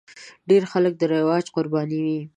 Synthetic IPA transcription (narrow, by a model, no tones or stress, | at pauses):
ɖeɾxalək̚d̪əɾɪwɑd͡ʒqʊɾbɑniwi